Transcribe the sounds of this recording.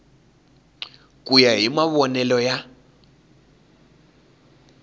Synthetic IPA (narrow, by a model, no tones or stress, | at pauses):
kʼujaɦimaβɔnɛlɔja